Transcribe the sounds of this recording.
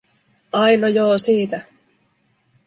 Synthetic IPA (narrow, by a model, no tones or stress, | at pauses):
ɑjnojoːsiːt̪æ